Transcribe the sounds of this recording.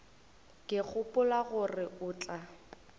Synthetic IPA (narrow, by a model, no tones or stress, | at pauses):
kʼɪk͡xʰʊpʼʊlaɣʊrɪʊːt͡ɬʼa